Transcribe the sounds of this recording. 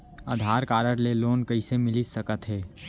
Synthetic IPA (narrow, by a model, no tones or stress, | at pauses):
aːd̪ʱaːɾkaːɾəɽleloːnkəɪsemɪlisəkət̪ɦɛː